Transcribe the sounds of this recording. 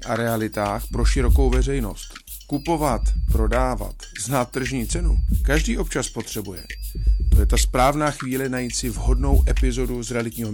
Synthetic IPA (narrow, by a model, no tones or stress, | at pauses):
ʔaɾɛalɪt̪aːxpɾo̞ʃɪɾo̞ko̞wvɛr̝ɛjno̞st̪ | kupo̞vat̪pɾo̞daːva̰t̪znaːt̪̚ːr̩ʒɲiːt͡sɛnukaʒdiːʔo̞pt͡ʃaspo̞t̪r̝̥ɛbujɛ̰t̪o̞jɛt̪aspɾaːvnaːxviːlɛnajiːt̪sɪvɦo̞dno̞wʔɛpɪzo̞duzɾɛalɪtɲiːɦo